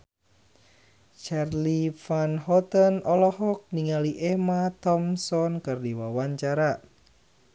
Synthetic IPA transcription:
t͡ʃarlifanɦɔt̪ənɔlɔɦɔk̚niŋaliʔɛmat̪ɔmsɔnkɨrdiwawaɲt͡ʃaɾa

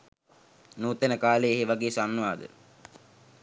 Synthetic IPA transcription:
nuːt̪enəkaːleeɦeʋaɡeːsanːuʋaːd̪ə̰

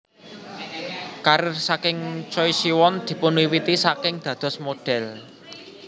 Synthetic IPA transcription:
kaɾsakɪŋt͡ʃɔisiwɔnd̪̥i̤pʊnwiwit̪isakɪŋd̪̥ä̤d̪̥ɔ̤smoɖ̥ɛl

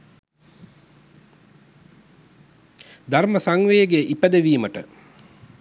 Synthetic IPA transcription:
d̪aɾməsaŋʋejəɡeʔipæd̪əʋiːməʈə̰

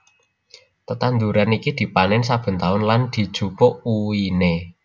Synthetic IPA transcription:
t̪ət̪and̪uɾanikid̪̥i̤panɪnsab̥ə̤nt̪aʊnland̪̥i̤d̥ʒ̥ṳkoʔuine

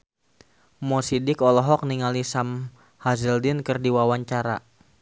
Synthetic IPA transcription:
mɔsidɪkɔlɔɦɔk̚niŋalisam | hazəldɪnkɨrdiwawaɲt͡ʃaɾa̰

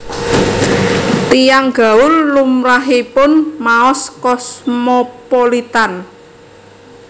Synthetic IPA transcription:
t̪ijaŋɡ̥a̤ʊllumɾaɦipʊnmaɔskɔsmopolit̪an

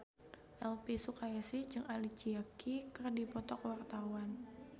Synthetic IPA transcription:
ʔɛlpisukajasid͡ʒɨŋʔalit͡ʃiakʰikɨrdipɔt̪ɔkwart̪awan

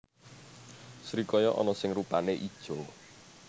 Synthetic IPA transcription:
sɾikɔjɔʔɔ̰nɔsɪŋrupaneʔid̥ʒ̥ɔ

